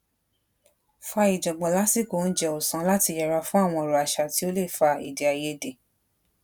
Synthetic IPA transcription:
fa˧i˨d͡ʒɔ˨ɡ͡bɔ̃˨la˦si˦˨ko˨n̩˦d͡ʒɛ˧o˨sã˨˦la˦ti˧jɛ˨ɾa˧fũ˦a˦˨w̃ɔ̃˧˨ɾɔ˨a˨ʃa˨ti˨˦o˦le˦˨fa˧i˨de˨a˨je˧de˨

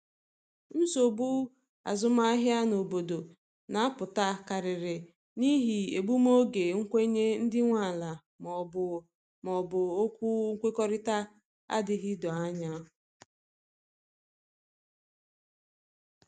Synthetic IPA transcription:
n̩˦so˨bu˦ | a̰˨zʊ˦ma˦a˦ɦja˦no˨bo˨do˨ | na˨a˦pʊ˨ta˦ka˨ɾɪ˨ɾɪ˨ | ni˦ɦi˨e˨bu˦m˦o˦ɡe˨ŋ̩˦kʷe˦ɲe˦n̩˦dɪ˦ŋʷa˨la˨ | m˨ | mɔ˨bʊ˨o˦kʷu˦ŋ̩˦kʷe˦kɔ˦ɾɪ˦ta˦ | a̰˦dɪ˨ɦɪ˦dɔ˨a˦ɲa˦˨

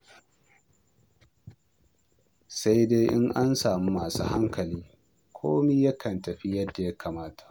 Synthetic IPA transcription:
sa˦jde˦ʔɪ˦ŋʔa˦nsaː˨mi˦maː˨sṵː˦ha˦ŋkɐ˨liː˦ | kʷʰo̰ː˦mi˦jɐ˦kʰɐ˨ntɐ˨ɸi˦jɐ˦dːa˨ja˦kʰaː˨maː˦tḁ˨ʔ

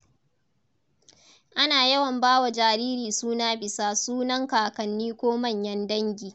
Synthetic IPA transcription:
ʔa˦naː˨jɐ˦wɐ˨mbaː˦wa˨d͡ʒaː˨ɾiː˦ɾiː˨suː˦naː˦bɪ˨saː˦suː˦nɐ˦ŋkaː˨kɐ˨nːiː˦kʷoː˦mɐ˦˨ɲjɐ˦ndɐ˦ŋɡʲiː˨

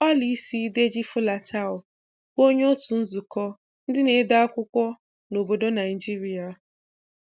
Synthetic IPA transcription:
a˦li˦si˦de˦d͡ʒi˦fʊ˦la˨tʰa˦ʊ˨ | ko˦ɲ˦o˦tu˨n̩˦zu˨kɔ˦ | n̩˦dɪ˦ne˨˦da˦a˦kʷʊ˦kʷɔ˦ | no˨bo˨do˦na˨ɪ˨d͡ʒi˦ɾi˨˦a˨

